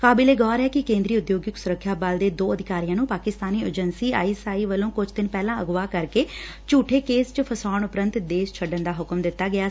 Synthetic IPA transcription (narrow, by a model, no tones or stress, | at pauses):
kaːbɪleːɡɔːɾɛːkɪkẽːnd̪ɾiːʊd̪joːɡɪksʊɾəkʰːjaːbald̪eːd̪oːəd̪ʱɪkaːɾijãːnũːpaːkɪst̪aːniːəd͡ʒənsiːa̰ːiːsaːiːʋəlõːkʊd͡ʒʰd̪ɪnpɛːlãːəɡʋaːkəɾkeː | t͡ʃuːʈʰeːkeːst͡ʃəpʰəsaːɳʊpɾə̃nt̪d̪eːʃt͡ʃʰəɖənd̪aːɦʊkəmd̪ɪt̪ːaːɡɪjaː